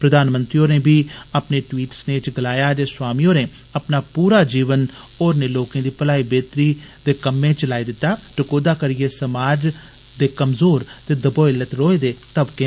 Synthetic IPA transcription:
pɾəd̪aːnmə̃nt̪ɾiːoːneːbʱiːəpneːʈʋiːʈsneːt͡ʃɡəlaːjaːd͡ʒeːswaːmiːoːneː | əpnaːpuːɾaːd͡ʒiːʋən | oːɾneːloːkẽːd̪iːpəlaːibeːt̪ɾiːd̪eːkəmːẽːt͡ʃlaːiːd̪ɪt̪ːaːʈəkoːd̪aːkəɾɪeːsəmaːd͡ʒ | d̪eːkəmzoːɾt̪eːd̪əboːɪlət̪ɾoːeːd̪eːt̪əbkeː

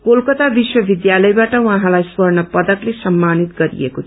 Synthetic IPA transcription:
kolkʌt̪abiswʌbid̪jalʌjbaʈʌwʌ̃ɦãlajswʌrnʌpʌd̪ʌklesʌmːanit̪ɡʌɾḭḛkot̪ʰ

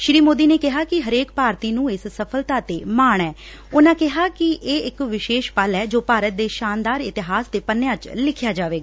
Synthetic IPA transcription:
ʃɾiːmoːd̪iːneːkɪɦaːkɪɦəɾeːkpaːɾt̪iːnũːɪssəpʰəlt̪aːt̪eːmaːɳ̃ɛː | ʊnãːkɪɦaːkɪʔeːɪkʋɪʃeːʃpəlɛːd͡ʒoːpaːɾət̪̚d̪eːʃaːnd̪aːɾɪt̪ɪɦaːsd̪eːpənːejãːt͡ʃlɪkʰjaːd͡ʒaːʋeːɡaː

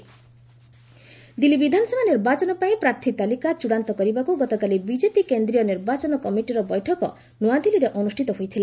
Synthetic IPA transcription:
d̪ilibid̪ʱanɔsɔbʱaniɾbat͡ʃɔnɔpaĩpɾaɾt̪ʰit̪alikat͡ʃuɽant̪ɔkɔɾibakuɡɔt̪ɔkalibid͡ʒepikend̪ɾijɔniɾbat͡ʃɔnɔkɔmiʈiɾɔbɔjʈʰɔkɔ̰ | nuad̪iliɾeʔɔnusʈʰit̪ɔɦojt̪ʰile

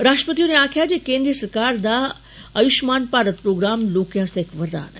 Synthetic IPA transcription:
ɾaʂʈəpət̪iuneakʰjad͡ʑekẽnd̪ɾiəsəɾkaɾd̪a | əjuɕmanpaɾət̪pɾoɡɾamlokjaəst̪eekʋəɾd̪a̰nə̰

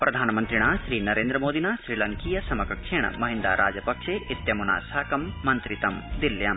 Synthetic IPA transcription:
pɾɐd̪ʱaːnmɐnt̪ɾiɽ̃aːʃɾiːnɐɾeːnd̪ɾɐmoːd̪inaːʃɾilɐŋkijɐsɐmɐkɐkʃeɳ̰̃mɐɦĩnd̪a̰ːɾʔaːd͡ʒɐpɐkʃeːit̪jɐmuna̰ːsaːkɐmːɐnt̪ɾit̪ɐmd̪iljɐm

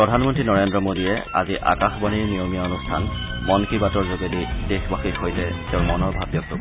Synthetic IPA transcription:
pɹɔdʱanmɔntɹinɔɹendɹɔmodijɛ̰a̰ziʔa̰kaxbaniɹnijomijaonustʰan | mɔnkibatɔɹzoɡedidexbaxikɦojtɛtɛʊɹmɔnɔɹbʱabjɔk̚lo̰bɔ

